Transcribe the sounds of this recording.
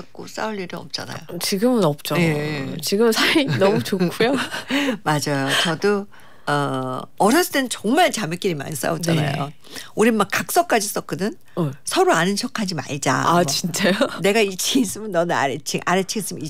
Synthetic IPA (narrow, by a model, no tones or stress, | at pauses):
ʌk͈os͈a̰uʎːiɾɯʌ̰p̚t͡ɕ͈a̰na̰jot͡ɕiɡɯmɯnʌp̚t͡ɕ͈ojet͡ɕiɡɯmsʰainʌmut͡ɕokkʰujomad͡ʑajot͡ɕʌdo | ʌʌɾjʌs͈ʰɯ̥t͈enɯnt͡ɕʌŋmaɭt͡ɕamɯk͈iɾima̰ns͈a̰ot͡ɕ͈ana̰jo̰ | uɾimak͈ːak̚s͈ʌk͈ad͡ʑis͈ʌk͈ɯnɯn | sʰʌɾoanɯnɕʰʌkʰad͡ʑima̰ɭd͡ʑa̰at͡ɕint͡ɕ͈ajone̞ɡait͡ɕʰiŋis͈ɯmjʌnːʌnɯna̰ɾet͡ɕʰiŋʔaɾet͡ɕʰiɡes͈ɯmi